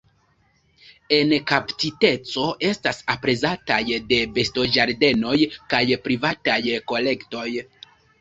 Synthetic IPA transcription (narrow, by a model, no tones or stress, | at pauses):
e̞nkapt͡site̞t͡so̞ʔe̞stasapɾe̞zatajde̞be̞sto̞d͡ʒaɾde̞no̞jkajpɾivatajko̞le̞kto̞j